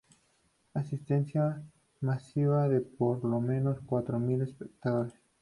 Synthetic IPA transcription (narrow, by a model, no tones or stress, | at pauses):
asist̪e̞nsja | masiβaðe̞poɾlo̞mẽ̞no̞skwat̪ɾomilespek̚t̪aðo̞ɾes